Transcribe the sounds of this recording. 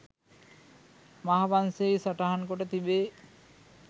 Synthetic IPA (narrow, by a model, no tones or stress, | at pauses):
maɦabansejsɔʈaɦankoʈet̪ibe